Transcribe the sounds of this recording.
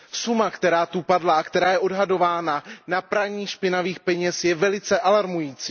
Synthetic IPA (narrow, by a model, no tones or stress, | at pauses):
sumakt̪ɛɾaːt̪upadlaːkt̪ɛɾaːjɛʔo̞dɦado̞vaːnanapɾaɲiːxʃpɪnaviːxpɛɲɛsjɛvɛlɪt͡sɛʔalaɾmujiːt͡siː